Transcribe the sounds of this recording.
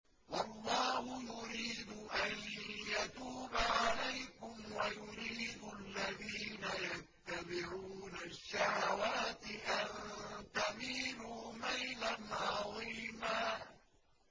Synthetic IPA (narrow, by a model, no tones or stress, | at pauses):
wɑlˤːɑːhʊjʊɾiːd̪ʊʔanjat̪uːbaʕalajkʊmwajʊɾiːd̪ʊalːaðiːnajat̪ːabɪʕuːnaʃːahawaːt̪ɪʔant̪amiːnuːmajlanʕɑðˤiːmaː